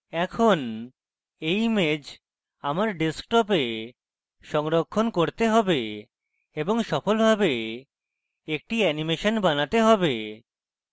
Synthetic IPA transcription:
ɛkʰon | ejmed͡ʑ | amaɾɖesk̚ʈɔp̬e | ʃɔŋɾokʰːonkoɾt̪eɦɔbe | eboŋʃɔfolbʱabe | ek̚ʈiɛnimeʃonbanat̪eɦɔbe

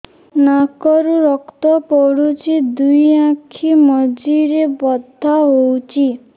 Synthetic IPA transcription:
nakɔɾuɾɔkt̪ɔpɔɽut͡ʃʰid̪ujãkʰimɔd͡ʒiɾebɔd̪ʱaɦowt͡ʃʰi

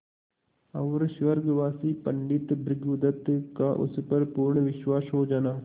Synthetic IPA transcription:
ɐʋɾʃʋəɾɡʋaːsiːpəɳɖɪt̪bɾɪɡʊd̪ət̪kaʔʊ̰spɐɾpuːɾɳʋɪʃwaːsɦod͡ʒaːnaː

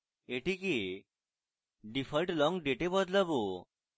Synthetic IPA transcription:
eʈike | ɖipʰəlʈlɔŋɡɖeʈebɔd̪labo

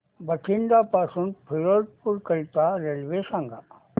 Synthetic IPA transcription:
bəkʰiɳɖ̪apaːsunpʰiɾolʈ̪̚puɾkəlt̪aɾelʋesãŋɡa

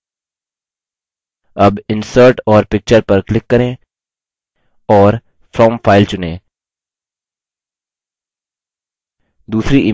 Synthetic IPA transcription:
ɐbɪ̃nsəɾʈɔːɾpɪk̚t͡ʃəɾpɐɾklɪkːɐɾẽː | ɔːɾ | fɾɔːmpʰaːɪlt͡ʃʊnẽː | d̪uːsɾiʔi

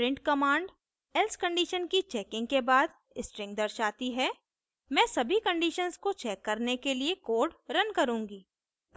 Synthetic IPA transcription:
pɾɪ̃ɳʈkɐmãːɳɖ | ɛlskə̃ɳɖiːʃənkit͡ʃɛːkɪ̃ŋɡkebaːd̪ | ɪsʈɾɪ̃ŋɡ̚d̪ɐɾʃaːt̪iɦɛ | mɛ̃ːsɐbʱikɐ̃ɳɖiːʃənzkot͡ʃɛːkːɐɾnekeliekoːɾɖɾɐnkɐɾũːŋɡiː

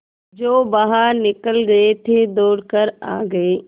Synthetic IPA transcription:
d͡ʒoːbaːɦaɾnɪkəlɡɐet̪ʰeːd̪oːɽkəɾa̰ːɡəeː

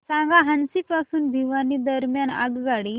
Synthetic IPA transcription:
sãŋɡaɦənsipasuːnbʱiʋanid̪əɾmjana̰ɡɡaɽi

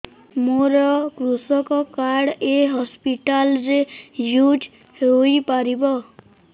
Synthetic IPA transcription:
moɾɔkɾusɔkɔkaɽeɦɔspiʈalɾejuʈ | hoijpaɾibɔ

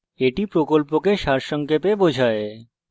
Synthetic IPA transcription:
eʈipɾokolpokeʃaɾʃɔŋkepebod͡ʒʱae

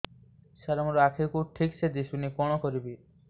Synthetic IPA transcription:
ʃaɾɔmɔɾoakʰekuʈʰiksed̪isunikɔɽ̃ɔkɔɾibi

